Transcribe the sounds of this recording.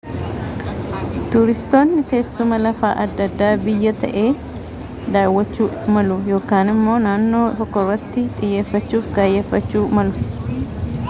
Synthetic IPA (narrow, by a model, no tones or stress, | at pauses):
t̪ʊɾɪst̪o̞ːnːɪt̪e̞ːsːʊmɐlɐfaːʔɐd̪ːɐd̪ːaːbɪjːɐt̪ʰɐ̰ʔe̞ː | d̪aːwːɐt͡ʃːuːmɐlʊjo̞ːkaːnɪmːo̞ːnaːnːo̞ːt̪ɔkːɔrːɐt̪ːɪt̪ʼɪjːe̞ːfːɐt͡ʃːuːfɡaːjːeːfːɐt͡ʃːuːmɐlʊ